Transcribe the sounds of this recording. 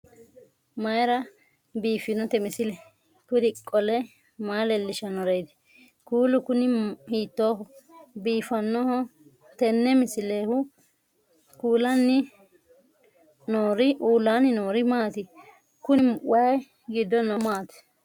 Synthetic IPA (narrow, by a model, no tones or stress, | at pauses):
mɐjɾɐ | biːfɪnɔt̪ɛmɪsɪlɛ | kʊd̪ɪkʼːɔlɛ | maːlɛlːɪʃɐnɔɾɛjd̪ɪ̥ | kuːlʊkʊnɪhiːt̪ːoːɦɔbiːfɐnːɔhɔ | t̪ɛnːɛmɪsɪleːhʊ | kuːlɐnːɪ | noːɾɪʔuːlːaːnɪnoːɾɪmaːt̪ɪ | kʊnɪwɐj | ɡɪd̪ːɔnɔmaːt̪ɛ̥